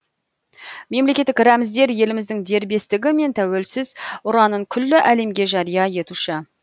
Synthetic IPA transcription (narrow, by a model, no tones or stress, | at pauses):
me̞mlekʲe̞t̪ːɪkɾæmɪzd̪e̞ɾje̞lɪmɪzd̪ɪŋd̪e̞ɾbe̞st̪ɪɡʲɪme̞nt̪ʰæwe̞lsɪzʊɾɑnəɴkʲʰʏlːɪʔæle̞mɡʲe̞ʒɑɾijɑje̞t̪uʃɪ